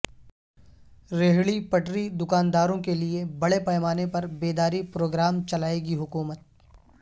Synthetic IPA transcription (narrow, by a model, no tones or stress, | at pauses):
ɾeɦɭipɐʈɾid̪ʊkaːnd̪aːɾõkeliebɐɽepɐːmaːnepɐɾbeːd̪aːɾipɾoːɡɾaːmt͡ʃɐlaːeɡiɦʊkuːmət̪̚